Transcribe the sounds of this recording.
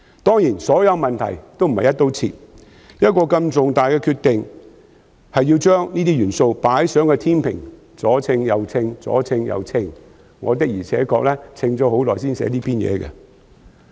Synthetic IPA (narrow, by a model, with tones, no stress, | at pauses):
t̪ɔː˥ŋjiː˨˩nsɔː˨˥jɐ˨˧wmɐ˨nt̪ʰɐ̰˨˩jt̪o˥wm̩˨˩hɐ˨jɐ˥t̪ːo˥wt͡sʰḭ˧t̚ | jɐ˥t̚kɔː˧kɐ˧mt͡sʊ˨ŋt̪aː˨jkɛː˧kʰyː˧t̪ɪ˨ŋ | hɐ˨jːiː˧wt͡ʃœː˥ŋniː˥t̪iː˥jyː˨˩nso˧wpaː˨˥jsœː˨˥ŋkɛ˧t̪ʰiː˥npʰɪ̰˨˩ŋ | t͡sɔː˨˥t͡sʰɪ˧ŋjɐ˨˧wt͡sʰɪ˧ŋt͡sɔ̰ː˨˥t͡sʰɪ˧ŋjɐ̰˨˧wt͡sʰɪ˧ŋ | ŋɔ̰ː˨˧t̪ɪ˥k̚jiː˨˩t͡sʰɛ̰ː˨˥kɔː˧k̚lɛː˥t͡sʰɪ˧ŋt͡sɔː˨˥ho˨˥wlɔː˨js̬iː˥nsɛ̰ː˨˥liː˥pʰiː˥njɛ̰ː˨˧kɛ̰˧